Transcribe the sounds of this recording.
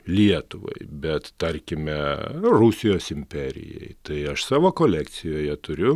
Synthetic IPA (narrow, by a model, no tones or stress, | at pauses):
lʲiɛt̪ʊʋɐ̰ɪbʲɛt̪t̪ɐɾʲkʲɪmʲɛrusʲɪjoːsɪmʲpʲɛɾʲɪ̰jɛ̰ɪt̪ɐɪɐʃsɑːʋoːkoːlʲæk̪t͡s̪ʲɪjoːjɛt̪ʊɾʲʊ